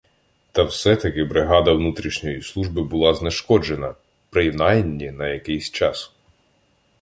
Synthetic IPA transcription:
t̪ɐwsɛt̪ɐkɪbɾɪɦɑd̪ɐwnut̪ɾʲiʃnʲɔjislˠuʒbɪbʊlˠɑzneʃkɔd͡ʒe̞nɐ | pɾɪjnɑjnʲːinɐjɐkɪjsʲt͡ʃɑs

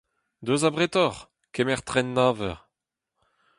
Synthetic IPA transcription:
d̪øzabʁet̪ɔʁ | kɛmɛʁt̪ʁɛnːaːvœʁ

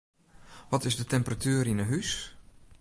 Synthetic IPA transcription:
ʋɔtɪsdətɛmpratʰyːəɾinəɦys

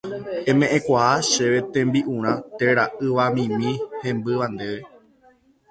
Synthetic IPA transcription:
ẽ̞mẽ̞ʔẽkʷahaʃeʋe̞t̪ẽ̞mbiʔũɾ̃ãt̪eɾaʔɨʋamĩmĩhẽ̞mbɨʋand̪e̞ʋe

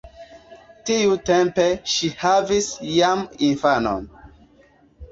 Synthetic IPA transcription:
tiutempeʃihavisjaminfano̰n

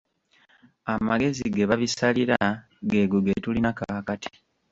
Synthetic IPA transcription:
amaɡe̞ziɡeβaβisaliɾa | ɡe̞ːɡuɡetulinakakati̥

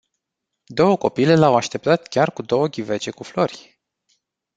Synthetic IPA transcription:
d̪o̞wəko̞pile̞lawaʃt̪e̞p̚t̪at̪kʲarkud̪o̞wəɡʲive̞t͡ʃe̞kuflo̞rʲ

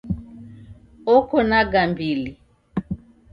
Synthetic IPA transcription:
ɔkɔnaɡambili

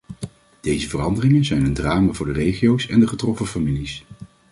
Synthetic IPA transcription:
d̥ejzəvərɑndərɪŋənzɛjnəndraːmavʊːɹdərejχiowsɛndəχətrɔfəfamilis

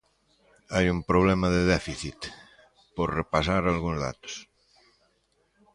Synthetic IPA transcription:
ajumpɾoβ̞lɛmaðeðɛfiθit̪ | poɾrepas̬aɾalɣuŋzða̰t̪o̥s

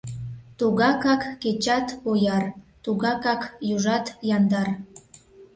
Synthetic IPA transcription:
t̪uɣɑkɑkːet͡ɕɑt̪ojɑrt̪uɣɑkɑkjuʒɑt̪jɑnd̪ɑr

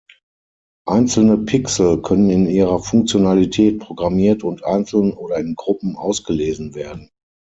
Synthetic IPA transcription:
ʔaɪnt͡sl̩nəpʰɪksl̩kʰœnənɪniːʁɐfʊŋk̚t͡sjonalitʰɛːt̚pʁ̥oɡʁamiːɐtʊntʔa̰ɪnt͡sl̩nənʔoːɾɐɪnɡʁʊpm̩ʔa̰ʊsɡ̥əleːzn̩veːɐdn̩

